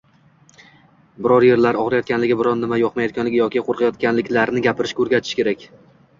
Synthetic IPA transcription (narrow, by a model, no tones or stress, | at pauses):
bɪɾɒɾje̞ɾlaɾɒʁɾajɒt̪kʲʰanlɪɡʲɪbɪɾɒnnɪmajɒqmajɒt̪kʲʰanlɪɡʲɪjɒkʲɪqʰoɾqʰɑjɒt̪̚kʲanlɪkʲlaɾnɪɡʲapɪɾɪʃkʰɵɾɡʲat̪ʰɪ̥ʃkʲe̞ɾakʲ